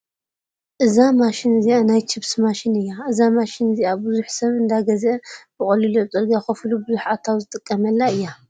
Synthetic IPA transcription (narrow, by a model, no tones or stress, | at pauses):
ʔɨzamaʃɪnɨzianajt͡ʃʰɪβsmaʃɪnɨjːaʔɨzamaʃɪnɨziabɨzuħsɐβɨnd̪aɡɐzeb̥ɨχʼɐlilot͡s̪ʼɐlɡaxɐflubɨzuħat̪ʰawzɨt̪ʼɨkʼːɐmɐlːaɨjːa